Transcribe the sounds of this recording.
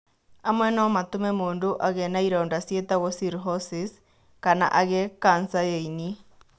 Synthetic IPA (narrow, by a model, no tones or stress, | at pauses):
amwɛnɔmatomɛmoːndoʔaɣɛnaiɾaondasjetaɣɔsiɾɦɔsis | kana̰ʔaɣekansajeini